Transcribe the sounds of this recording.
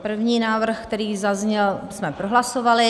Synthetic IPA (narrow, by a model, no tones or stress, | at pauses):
pr̩vɲiːnaːvr̩xkt̪ɛɾiːzazɲɛlsmɛpɾoɦlasovalɪ